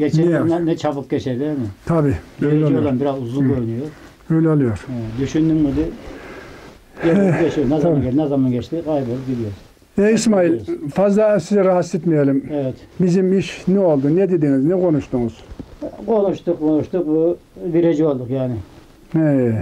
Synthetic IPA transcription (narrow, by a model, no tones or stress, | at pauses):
ɡet͡ʃeinɛnɛt͡ʃʰapɯp̚ɟʲet͡ʃʰed̪iɛmɪt̪ʰabiːølolˠanbiɾazuzunɡʲøɾynyjoɾ | øjlʲolˠujoɾed̪yʃynd̪ymmid̪i | ɡeɡʲet͡ʃijonɛzmbʲed̪nɛzamanɟet͡ʃt̪iɡajipolˠup̚ɟʲid̪ijoɾz | eismailʲfazlˠasizɛɾaɦat̪set̪mijelimɛvɛt̪bizimiʃnɛo̞lˠd̪unɛd̪ed̪iŋiznɛkʰo̞nuʃt̪uŋuz̥kʰonuʃt̪uqːʰonuʃt̪uq̚bubiɾed͡ʒiolˠd̪uqjaːnɪ | ɛ